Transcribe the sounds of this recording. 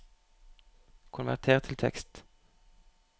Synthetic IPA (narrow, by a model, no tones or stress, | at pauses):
kʰʊnʋæ̰ʁt̪ʰeːʁt̪ʰɪlt̪ʰɛ̰kst̪